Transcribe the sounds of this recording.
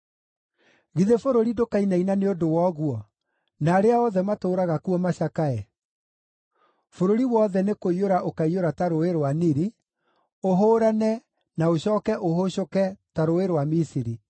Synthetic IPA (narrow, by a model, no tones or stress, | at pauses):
ɣiðefoɾoɾidokainainaneodowɔɣwɔ | naːɾeaɔðɛmatoːɾaɣakuɔmaɕakaɛ | foɾoɾiwɔðɛnekoioɾaʔokaioɾataɾoeɾoaniɾi | oɦoːɾanɛ | naoɕɔːkɛʔoɦoɕokɛtaɾoeɾwamisiɾi